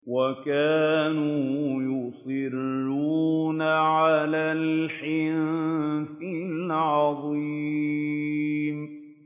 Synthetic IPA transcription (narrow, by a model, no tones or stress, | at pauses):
wakaːnuːjʊsˤɨɾːuuːnaʕalaːlħɪnnfɪllʕɑðˤiː | m